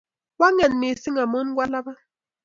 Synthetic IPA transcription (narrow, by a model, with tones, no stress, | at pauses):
wa˦ŋɛ˨nme˨si˦ŋa˨mɔ˦n˦ɡwʷa˦la˦ba˦